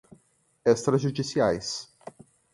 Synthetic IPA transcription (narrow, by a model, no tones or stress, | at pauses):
ɛst̪ɾɐzʒud͡ʒisjajs